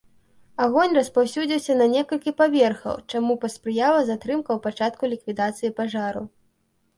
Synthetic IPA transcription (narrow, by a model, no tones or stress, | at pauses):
aɣɔnʲrɐspawsʲud͡zʲiwsʲɐnɐnʲɛkɐlʲkʲipavʲɛrxɐ̰wt͡ʂamupɐspɾɨjavɐzat̪ɾɨmkɐwpat͡ʂat̪̚kulʲikvʲid̪at̪sɨjipaʐaɾṵ